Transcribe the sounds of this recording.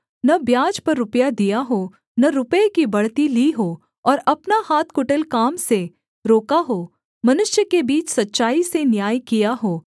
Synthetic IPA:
nɐbjaːd͡ʒpɐɾːʊpjad̪ijaɦoː | nɐɾʊpekibɐɽt̪iliːɦoː | ɔːɾɐpnahaːt̪ʰkʊʈəlkaːmse | ɾoːkaɦoː | mɐnʊʃjəkebiːt͡ʃsɐtːʃaːisenjaːjkijaɦoː

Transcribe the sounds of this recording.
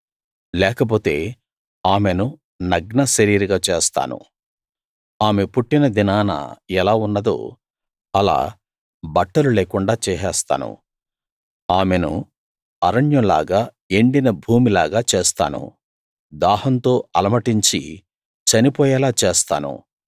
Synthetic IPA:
lɛːkɐp̬o̞ːt̪e̞ː | aːme̞nu | nɐɡnɐsɐɾiːɾɡaːt͡ʃeːst̪a̰ːnṵ | aːme̞puʈːinɐd̪inaːnɐ̰ɛlaːunːɐd̪o̰ː | ɐla̰ː | bɐʈːɐluleːkuɳɖaːt͡ʃɛːɦɛːst̪a̰ːnṵ | aːme̞nṵ | ɐɾɐɳjɐmla̰ːɡaː | eɳɖinɐbʱuːmilaːɡaːt͡ʃeːst̪a̰ːnṵ | d̪aːhɐnt̪o̞ːʔɐlɐmɐʈiɲt͡ʃḭ | t͡ʃɐnipɔːjɛlaːt͡ʃeːst̪a̰ːnṵ

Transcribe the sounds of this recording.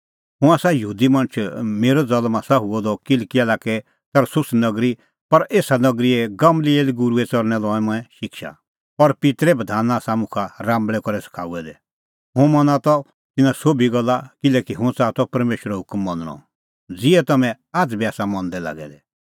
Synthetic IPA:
ɦʊ̃aːsajɐɦuːd̪imɐ̃nt͡ʃʰmeːɾɔd͡zɐlmasaɦuɔd̪ɔkɪlkialaːkɛ | t̪ɐɾsʊsnɐɡɾi | pɐɾeːsanɐɡɾiɛɡɐmlieːliɡʊɾuɛt͡sɔɾnɛlɔ̃ːɛ̃mɔ̃ɛ̃ʃɪkʃa̰ | ɔɾpɪt̪ɾɛbɐd̪ʱaːnasamũkʰaɾãːmbɭɛkɔɾɛsɐ̥kʰa̰ːuɛd̪ɛ | ɦʊ̃mɔ̃nat̪ɔ | t̪ɪnãsobiɡɔlːakɪlɛkiɦʊ̃t͡sat̪ɔpɐɾmeːʃəɾɛɦʊkmːɔ̃nəɽɔ̰̃ | d͡ziɛt̪ɐmɛ̃ | aːd͡zbiaːsamɔ̃nd̪ɛla̰ːɡɛ̰d̪ɛ

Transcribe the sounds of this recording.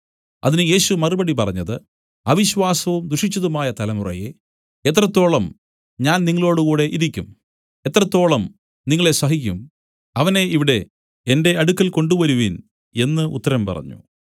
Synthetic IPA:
ɐ̰ðinɨje̞ːɕumɐrubɐɽipɐrɐɲːɐðɨ | ɐʋiɕʋaːsɐʋumd̪ɾuʂit͡ɕːɐðumaːjɐt̪ɐlɐmurɐ̰je̞̰ | et̪̬ːrɐt̪ːo̞ːɭɐm | ɲaːnniŋːɐɭo̞ːɽuɣuːɽe̞ʔiɾikʲːum | e̞t̪ːrɐt̪ːo̞ːɭɐm | niŋːɐɭe̞sɐɦik̬ʲːum | ɐʋɐne̞iʋiɽe̞ | ende̞ɐɽukːɐlko̞ɳɖuʋɐɾuʋin | e̞nːɨʔṵt̪ːɐɾɐmpɐ̰rɐ̰ɲːṵ

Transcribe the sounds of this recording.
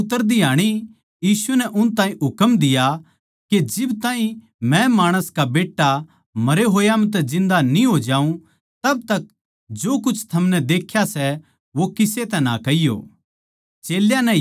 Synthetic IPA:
ʊt̪ːəɾd̪iɦaːɽ̃i | jiːsunɛʔʊnt̪ãːĩɦʊkmd̪ɪja | ked͡ʒɪbt̪ãːĩ | mɛ̃maːɽ̃əskabeːʈːa | mɐɾeɦoːjamɛ̃t̪̬ɛd͡ʒɪ̃nd̪aniɦoːd͡ʒaːũ | t̪ɐb̚t̪ɐk | d͡ʒoːkʊt͡ʃʰt̪ʰɐmnɛd̪eːkʰːjasɛ | ʋokɪset̪ɛnakɐijo̰ː | t͡ʃeːljãnɛ̃

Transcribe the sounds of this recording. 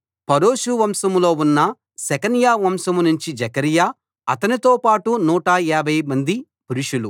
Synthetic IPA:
pɐɾoːʃuʋɐmsɐmlo̞ːunːɐ | sɛkɐnjaːʋɐmsɐmnuɲt͡ʃid͡ʒɛkɐɾijaː | ɐt̪ɐnit̪o̞ːpaːʈunuːʈɐɛːɾbʱɐjmɐnd̪i | puɾuʂulu

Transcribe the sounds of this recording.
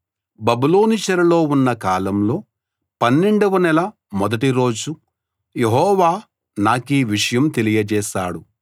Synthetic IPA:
bɐbuloːnit͡ʃɐɾɐlo̞ːunːɐkaːlɐmlo̞ː | pɐnːeɳɖɐʋɐnɛlɐ | mɔd̪ɐʈiɾo̞ːd͡ʒu | jeɦɔːʋaː | naːkiːʋiʂɐjɐmt̪e̞lijɐd͡ʒɛːʃaːɽu

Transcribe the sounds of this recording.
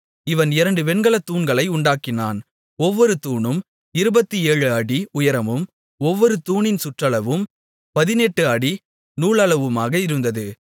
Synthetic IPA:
ɪʋɐnɪɾɐɳɖɯpɛɳɡɐɭɐt̪ːuːnɡɐɭɐɪʊɳɖaːkɪna̰ːn | ɔʋːɔɾɯt̪uːɳɯm | ɪɾɯbɐt̪ːieːɻɯɐɽiʊjɐɾɐmɯm | ɔʋːɔɾɯt̪uːɳɪnsʊʈrɐɭɐʋɯm | pɐðɪnɛʈːɯɐɽi | nuːɭɐɭɐʋɯmaːɣɐɪɾɯnd̪ɐðɯ

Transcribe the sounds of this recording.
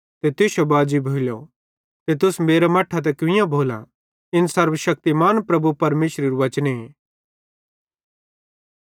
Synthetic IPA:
t̪et̪ɪʃobaːd͡ʒibʱoːljo | t̪et̪ʊsmeːɾamɐʈʰːat̪̬ɛkɪɪ̃jãbʱoːlã̰ | ɪnsɐɾʋəʃɐk̚t̪imaːnpɾɐbupɐɾmeːʃɾeɾuʋɐt͡ʃne

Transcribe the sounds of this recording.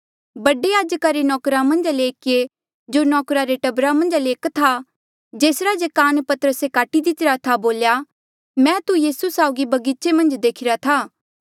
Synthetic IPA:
bɐɖejaːd͡ʒkaɾenɔːkɾamɐ̃nd͡ʒleːkːe | d͡ʒoːnɔːkɾaɾeʈɐbɾamɐ̃nd͡ʒleːkt̪ʰa | d͡ʒeːsɾad͡ʒekaːnpɐt̪əɾəsekaːʈid̪ɪt̪ɪɾat̪ʰaboːlja | mɛ̃ːt̪ujiːsusaːʊɡibɐɡit͡ʃemɐ̃nd͡ʒd̪eːkʰɪɾat̪ʰaː

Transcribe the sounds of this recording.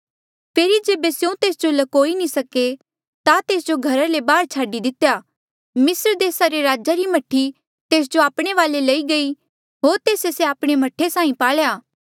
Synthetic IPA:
pʰeːɾid͡ʒeːbesjũt̪eːsd͡ʒolɐkoːinĩsɐke | t̪at̪eːsd͡ʒoɡʱɐɾalebaːɾt͡ʃʰaːɖid̪ɪt̪jaː | mɪsɾd̪eːsaɾeɾaːd͡ʒaɾimɐʈʰːi | t̪eːs̬d͡ʒoaːpɽ̃eʋaːlelɐiɡɐi | ɦoːɾt̪eːseseaːpɽ̃emɐʈʰːesaːĩpaːɭjaː

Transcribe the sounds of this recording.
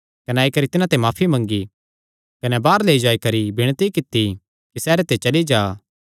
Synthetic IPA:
kɐnɛaːikɐɾit̪ɪnãt̪emaːpʰimɐ̃ŋɡi | kɐnɛbaːɾleːid͡ʒaːikɐɾibʱɪɽ̃t̪ikɪt̪ːi | kisɛːɾet̪et͡ʃɐlid͡ʒaː

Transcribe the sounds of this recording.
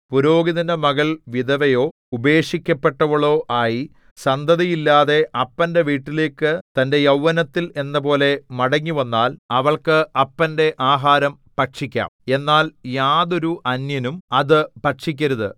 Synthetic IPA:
puɾo̞ːɡiðɐnɐmɐɣɐɭʋid̪ɐʋɐjo̞ː | ube̞ːʂikʲːɐpːe̞ʈːɐʋɐɭo̞ːʔaːji | sɐnd̪ʱɐðɐjilːaːðe̞ʔɐpːɐnde̞ʋiːʈːile̞ːkːɨt̪ɐnde̞jɐwːɐnɐt̪ːile̞nːɐp̬o̞ːle̞mɐɽɐŋːiʋɐnːaːlɐʋɐɭkɨɐpːɐnde̞ʔaːɦaːɾɐm | pɐʈʂikʲːa̰ːme̞nːaːljaːðo̞ɾuʔɐnjɐnumɐðɨpɐʈʂik̬ʲːɐɾɐðɨ

